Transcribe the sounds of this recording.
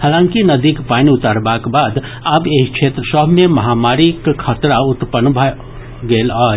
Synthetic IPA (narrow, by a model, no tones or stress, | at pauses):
haːlãːŋkinɐd̪iːkpaːniʊt̪aːɾbakbaːd̪ | əbeːkʃʰeːt̪ɾəsɔbmẽmɐɦaːmaːɾikkʰət̪ɾaʊt̪pənbʱə | ɡeːlaː